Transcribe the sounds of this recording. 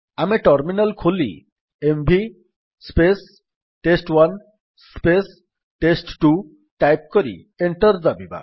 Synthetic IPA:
ameʈɔɾminalkʰolḭ | embʱi | spes | ʈesʈwan | spes | ʈesʈʈu | ʈajp̚koɾḭ | eɳʈɔɾd͡ʒabiba̰

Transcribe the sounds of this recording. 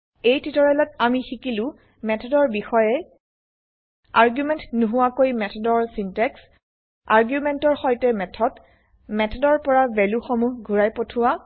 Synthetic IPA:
ejtitɔɹɛlɔtamixikilʊ̃ | mɛtʰɔdɔɹbixɔjɛ | aɹɡjumɛntnuɦʊwakojmɛtʰɔdɔɹsintɛks | aɹɡjumɛntɔɹxɔjtɛmɛtʰɔd | mɛtʰɔdɔɹpɔɹabɛluxomuɡʱuɹajpotʰʊwa

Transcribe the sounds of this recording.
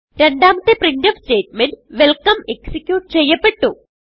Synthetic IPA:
ɾe̞ɳɖaːmɐt̪ːɨprindɐfsteːʈ̚menɖʋelkɐmeksikʲːjuːʈt͡ɕe̞jːɐpːe̞ʈːu

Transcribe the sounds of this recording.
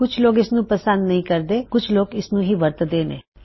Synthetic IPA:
kʊt͡ʃʰloːɡɪsnũpəsə̃nd̪nɐɦĩkɐɾd̪eːkʊt͡ʃʰloːɡɪsnũɦiːʋɐɾt̪d̪eːnḛː

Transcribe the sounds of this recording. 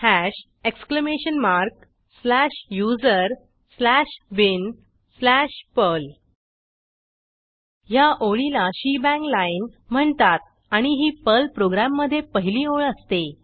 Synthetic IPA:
hæɕ | ekskləmeɕənmaɾk | slæɕjud͡zəɾ | slæɕʋin | slæɕpəl | jaʔoɭilaɕibæ̃ŋklainm̤əɳt̪at̪̚ | aɽ̃iɦiːpəlpɾoɡɾamːəd̪ʱːjepəɦiliːoɭəst̪e

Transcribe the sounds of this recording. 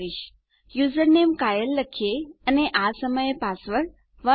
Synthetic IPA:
iʃ | juzəɾnemkajəlːəkʰijeəneʔasəməjepasʋəɭ | ʋə

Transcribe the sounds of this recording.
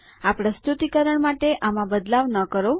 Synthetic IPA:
apɾəst̪ut̪ikəɾəɳmaʈeʔamãbəd̪laʋnəkəɾo

